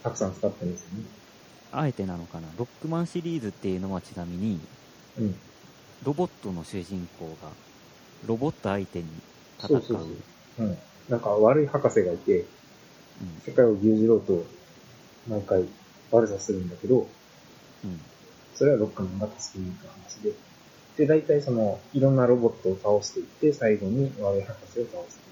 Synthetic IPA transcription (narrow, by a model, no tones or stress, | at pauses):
t̪akɯ̟̥sãnt͡sɨ̥kat̪ːẽ̞nd̪esɨjo̞ne | aet̪e̞nano̞kanaɾo̞kːɯ̟mãɰ̃ɕiɾʲiːzɨt̪ːe̞jɯ̟ːno̞at͡ɕinamʲiɲ̟i | ɯ̟̃ɴ | ɾo̞bo̞t̪ːo̞no̞ɕɨːʑĩŋko̞ːɡa̰ | ɾo̞bo̞t̪ːo̞ait̪e̞ɲ̟i | t̪asoaːsːasɯo̰ | ɯ̟̃ɴ | nãŋkaβaɾɯ̟ihakase̞ɡait̪ẽ̞ | se̞kaioɡʲɨːʑiɾo̞ːt̪o̞ | maikai | βaɾɯ̟sasɨɾɯ̟̃nd̪ake̞d̪o̞ | ɯ̟̃ɴ | so̞ɾe̞βaɾo̞kːɯ̟mãŋɡat̪ḁsɨ̥kʲeɲiːkɯhanaɕid̪e̞ | d̪̥e̞d̪ait̪aiso̞no̞iɾõ̞nːaɾo̞bo̞t̪ːo̞ːt̪aoɕi̥t̪e̞it̪ːe̞saiɡo̞ɲ̟iβaɾɯ̟ihakase̞o̞t̪ao̞ɕse̥